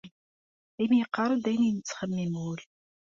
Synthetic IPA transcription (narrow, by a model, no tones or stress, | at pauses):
imijəqːɑɾˤəd̪æjninət͡sːχəmːimul